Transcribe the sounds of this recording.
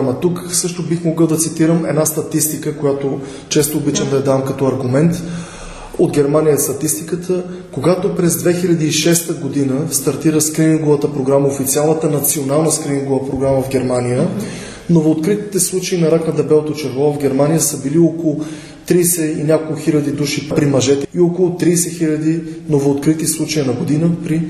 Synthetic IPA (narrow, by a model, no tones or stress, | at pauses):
mət̪uksɤʃt̪obixmoɡɤlˠd̪ɐt̪sit̪iɾəmɛ̰d̪nast̪ɐt̪ist̪ikəkojat̪o | t͡ʃɛst̪oːbit͡ʃəmd̪ɐɐd̪amkɐt̪ɔɐɾɡʊmɛnt̪ | od̪ɡʲɛɾmanijəɛst̪ɐt̪ist̪ikət̪ʰə | koɡat̪opɾɛzd̪vɛxilʲɐd̪iːʃɛst̪əɡod̪inəst̪ɐɾt̪iɾəskɾimiŋɡovət̪əpɾoɡɾaməofit̪sialˠnət̪ənɐt̪sionalˠnəskɾimiŋɡovəpɾoɡɾaməvɡʲɛɾmanijə | novoːt̪kɾit̪i̥t̪ɛslˠut͡ʃeinɐɾaknɐd̪ɛbɛlˠot̪ot͡ʃɛɾvˠɔvvɡʲɛɾmanijəsəbiliokolˠʊ | t̪ɾiːsɛinʲakolˠkʊxilʲɐd̪id̪uʃipɾimɐʒɛt̪ɛiokolˠʊt̪ɾiːsɛxilʲɐd̪inovoːt̪kɾit̪islˠut͡ʃejənɐɡod̪inəpɾi